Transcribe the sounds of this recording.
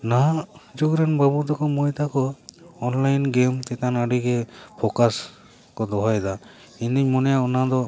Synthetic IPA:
naɦad͡ʒuɡɾenbabud̪ɔkɔmɔjt̪akɔːnlajnɡemt̪ɛt̪anaɖiɡɛpʰɔkas | kɔd̪ɔɦajd̪a | ind̪iɲmɔnɛjaɔnad̪ɔ

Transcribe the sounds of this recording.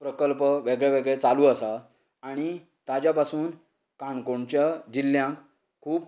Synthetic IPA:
pɾəkəlpəʋeɡɭaʋeɡɭet͡saluːəsaː | ɽ̃i | t̪ad͡ʑjapasuːn | kaɳkoɳt͡ɕjad͡ʑilːjãŋk | kʰːuːp

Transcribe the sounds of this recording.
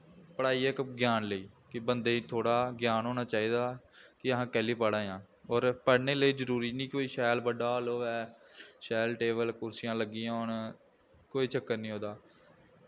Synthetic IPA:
pəɽaːiːɛːkɡɪjaːnləiːkɪbənd̪eːiːt̪ʰoːɽaːɡɪjaːnɦoːnaːt͡ʃaːiːd̪aːkɪəɦãːkɛːliːpəɽãːjãː | ɔːɾpəɽneːləiːd͡ʒəɾuːɾiːnĩːkoːiːʃɛːlbəɖaːloːʋɛːʃɛːlʈeːbəlkʊɾsɪjãːləɡiːãn | koːiːt͡ʃəkːəɾnĩːoːd̪aː

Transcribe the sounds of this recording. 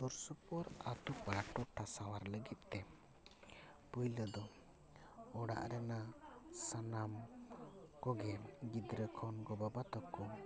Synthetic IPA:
t̪ɔɾsupɔɾat̪upaɾaʈɔʈʰasawaɾləɡit̪̚ˀt̪ɛ | pəjləd̪ɔ | ɔɽa̰ʔɾɛnasanam | kɔɡɛɡid̪ɾəkʰɔnɡɔbabat̪ɔkɔ

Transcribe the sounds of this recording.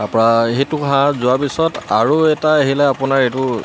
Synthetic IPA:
tapɔɹaɦetʊɦãzʊapisɔtaɹuɛtaaɦilɛapʊnaɹetʊ

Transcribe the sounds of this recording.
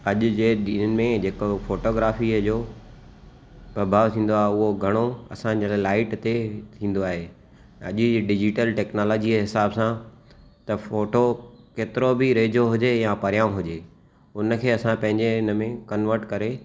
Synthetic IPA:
ɐʄʊd͡ʑeːɗiːnnɪ̆mẽd͡ʑeːkofoːʈoːɡɾaːfid͡ʑoː | pɐbʱaːʋt̪ʰĩːn̆d̪oaːɦeʊɦoɡʱɐɽ̃oɐsãd͡ʑəlaːlaːɪʈt̪et̪ʰĩːn̆d̪oaːɦe | ɐ̰ʄɖɪd͡ʑɪʈəlʈɛːknaːlɔːd͡ʑiɦɪsaːbsãt̪ɐfoːʈokeːt̪ɪɾobʱɪɾeːd͡ʑoɦʊd͡ʑejãpɐɾjaːũɦʊd͡ʑeː | ʊnə̆kʰeːɐsãpɐ̃ɦɪ̃ɲd͡ʑeɪnəmẽkɐnʋəɾʈkɐɾe

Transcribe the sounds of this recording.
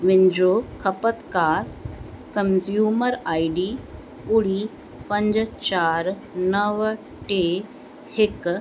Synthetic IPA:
ʋind͡ʒoːkʰəpət̪kaːɾkəmzjuːməɾaːjɖiː | puɽi | pə̃ɲd͡ʒt͡ʃaːɾ | nəʋ | ʈe | hɪk

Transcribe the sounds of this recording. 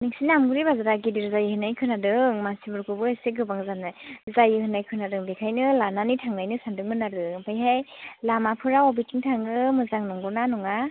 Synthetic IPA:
niksinamɡɯɾibazaɾaɡidiɾzajɯhɯnajkʰɯnadɯŋmansibɯɾkʰɯbɯeseɡɯbaŋzanazajɯhɯnajkʰɯnadɯŋbekʰajnɯlananitʰaŋnajnɯsandɯŋmɯnaɾɯpʰajɦajlamapʰɯɾaɔbitʰiŋtʰaŋɯmɯzaŋnɔŋɡɔnanɔŋa

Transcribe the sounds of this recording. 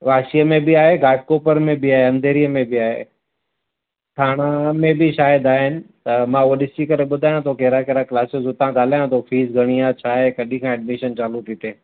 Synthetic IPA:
ʋaːʃijəmẽbʱiaːɦeɡaːʈ̚koːpəɾmẽbʱiaːɦeɐ̃nd̪ʱeːɾijəmẽbʱiaːɦḛ | ʈʰaːɽ̃amẽbʱiʃaːjəd̪aːɦɪnɪ̆t̪ɐmãuɗɪsikɐɾeɓʊd̪ʱaːjãt̪ʰokeːɾakeɾaklaːsɪzot̪ɐãɠaːl̤aːjãt̪ʰofʰiːzɡʱɐɽ̃ijãt͡ɕʰaːɦekɐɗĩkʰãɛːɖmiʃənt͡ɕaːlut̪iːt̪eː

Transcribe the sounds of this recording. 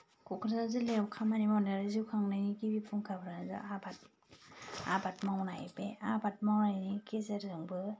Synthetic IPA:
kɔkʰɾzazɯlewkʰamanimɔndaɾɯziwkʰaŋnɯjnikibipʰuŋkʰabɾazɯ̰abat̚ | a̰bat̚mawnajbeabat̚mawnajnikezeɾzɯŋbɯ

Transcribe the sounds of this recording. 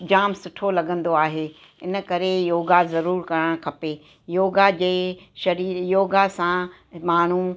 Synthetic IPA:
d͡ʑaːmsʊʈʰolɐɡə̃nd̪oaːɦeː | ɪnə̆kɐɾejoːɡazɐɾuːɾkɐɾəɽ̃kʰɐpe | joːɡad͡ʑeːʃɐɾiːɾjoːɡasã | maːɳ̤u

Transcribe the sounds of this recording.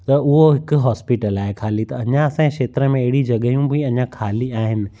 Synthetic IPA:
t̪ɐʔʊɦoɦɪkʊɦaːspɪʈəlaːɦekʰaːlit̪ɐɐɲãɐsãẽkʃeːt̪ɾəmẽɐɦɪɽid͡ʑɐɠəɦijũpɐĩɐɲãkʰaːliaːɦɪnɪ̆

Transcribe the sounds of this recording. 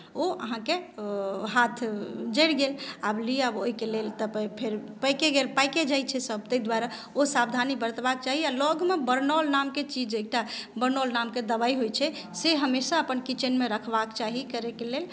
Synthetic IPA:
oʔəɦãke | ɦat̪ʰd͡ʒəɪɽɡelabliaboɦikelelt̪əppʰeɾpəjkeɡelpajked͡ʒajt͡ʃʰɛsəb̚t̪əid̪waɾa | osabd̪ʱanibəɾət̪bakt͡ʃaɦialɔɡmebəɾnɔlnamket͡ʃid͡ʒeːk̚ʈabəɾnɔlnamked̪əbaiɦojt͡ʃʰɛ | seɦəmesaəpənkit͡ʃənmeɾəkʰbakt͡ʃaɦikəɾekelel

